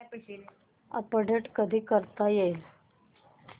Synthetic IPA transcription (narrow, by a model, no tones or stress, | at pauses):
ə̰pəɖeʈkəd̪ʱiːkəɾt̪ajel